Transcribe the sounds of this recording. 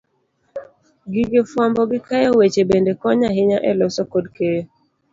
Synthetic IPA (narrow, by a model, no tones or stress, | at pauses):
ɡiɡɪfwambɔɡɪkajɔwet͡ʃebendekɔɲaɦɪɲaʔɛlɔsɔkodke